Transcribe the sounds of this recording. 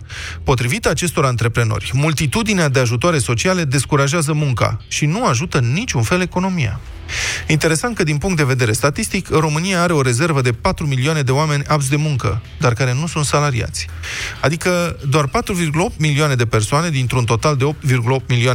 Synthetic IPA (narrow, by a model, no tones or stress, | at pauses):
po̞t̪ɾivit̪əat͡ʃe̞st̪o̞ɾaant̪ɾe̞pɾe̞no̞̰rʲmult̪it̪ud̪inead̪eaʒut̪oaɾe̞so̞t͡ʃiale̞d̪e̞skuɾaʒeazəmuŋka̰ʃinuaʒut̪ənːit͡ʃunfe̞le̞ko̞no̞mija̰ | int̪eɾe̞sant̪̚kəd̪inpuŋkt̪d̪e̞ve̞d̪e̞ɾe̞st̪at̪ist̪ikɨnro̞mɨnijaaɾe̞o̞ɾe̞ze̞rvəd̪e̞pat̪ɾumilioane̞d̪e̞oame̞nʲaps̬d̪e̞muŋkə | d̪arkaɾe̞nusunt̪salaɾḭa̰t̪sʲad̪ikəd̪oarpat̪ɾuvirɡuləo̞p̚t̪milioane̞d̪e̞pe̞rsoane̞d̪int̪ɾunt̪o̞t̪ald̪e̞o̞p̚t̪virɡuləop̚t̪̚milioa